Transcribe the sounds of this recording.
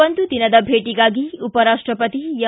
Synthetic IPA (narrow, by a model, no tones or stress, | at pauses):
ɐnd̪ud̪inɐd̪ɐbʱeːʈiɡaːɡiupɐɾaːʂʈɾɐpɐt̪ijɐ